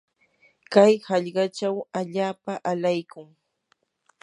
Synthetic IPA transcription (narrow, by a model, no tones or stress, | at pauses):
kajhɑʎɢɑt͡ʃawaʎaːpaʔalajkʊŋ